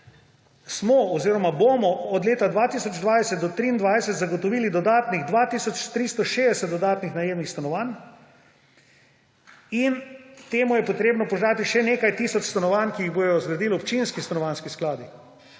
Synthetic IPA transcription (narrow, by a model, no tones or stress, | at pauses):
smɔɔziːɾɔmabomɔɔd̪leːt̪ad̪ʋaːt̪isɔd͡ʒd̪ʋaːjsɛt̪d̪ɔt̪ɾiːnd̪ʋajsɛt̪zaɡɔt̪ɔʋiːlid̪ɔd̪aːt̪niɣd̪ʋaːt̪iːsɔt͡ʃt̪ɾist̪ɔʃeːd̪ɛsɛt̪d̪ɔd̪aːt̪nixnajeːwnixst̪anɔʋan | int̪eːmujɛpɔt̪ɾeːbnɔpɔʒaːt̪iʃɛneːkajt̪isɔt͡ʃst̪anɔʋankiːɣbojɔzɡɾad̪iːlɔpt͡ʃinskist̪anɔʋanskisklaːd̪i